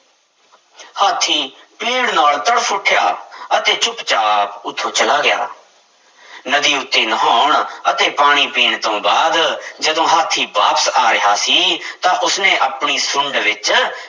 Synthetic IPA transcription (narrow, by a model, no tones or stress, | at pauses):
haːt̪ʰːiːpiːɽnaːlt̪əɽpʰʊʈʰja̰ːət̪eːt͡ʃʊpt͡ʃaːpʊt̪ʰːoːt͡ʃəlaːɡɪja̰ː | nəd̪iːʊt̪ːeːnəɦaːʊɳət̪eːpaːɽ̃iːpiːɳt̪õːbaːd̪d͡ʒəd̪õːɦaːt̪ʰːiːbaːpə̥saːɾɪɦaːsiːt̪ãːʔʊsnẽːʔəpɳiːsʊɳɖʋɪt͡ʃ